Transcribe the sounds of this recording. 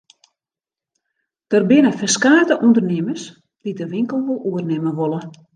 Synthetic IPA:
d̥ərbɪnəfɛskaːrtəʔundərnɪməs | d̥idəʋɪŋkəlˠʋolˠuərnɪməʋolˠə

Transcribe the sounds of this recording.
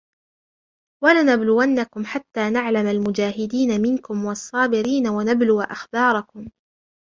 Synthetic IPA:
walanablʊwanːakʊmħat̪ːaːnaʕlamalmʊd͡ʒaːɦɪd̪iːnamɪnkʊmwɑsˤːɑːbɪɾiːnawanablʊwʔa̰xbɑːɾˤɑkʊm

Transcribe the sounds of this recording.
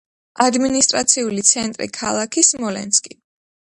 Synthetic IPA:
ad̪minist̪ʼɾat̪sʰiulit̪sʰɛnt̪ʼɾḭkʰalˠakʰismɔlɛ̰nskʼi

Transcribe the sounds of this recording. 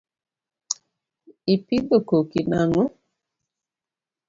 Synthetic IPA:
ipidokokinaŋo

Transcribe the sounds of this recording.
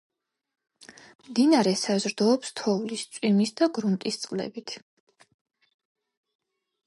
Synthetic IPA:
md̪inaɾɛsazɾd̪ɔːpst̪ʰɔvlist̪sʼwimisd̪aɡɾunt̪ʼist̪sʼqʼlɛ̰bit̪ʰ

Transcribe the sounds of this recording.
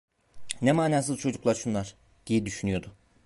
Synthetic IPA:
nɛmaːnaːs̬ɯzˠt͡ʃʰo̞d͡ʒuklˠaɾʃunlˠaɾ̥ | ɟ̪̥ibid̪yʃynyjo̞d̪ʊ

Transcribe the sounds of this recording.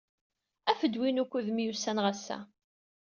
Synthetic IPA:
æfəd̪winukʷːuðmjusænʁæsːæ̰

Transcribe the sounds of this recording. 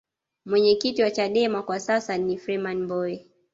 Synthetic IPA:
mwɛɲɛkitiwat͡ʃaɗɛmakwasasanifɾɛmanmbɔɛ

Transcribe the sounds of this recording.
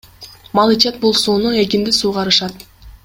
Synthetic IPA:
mɑlˠit͡ʃet̪̚bulˠsuːnue̞kind̪isuːʁɑɾɯʃɑt̪

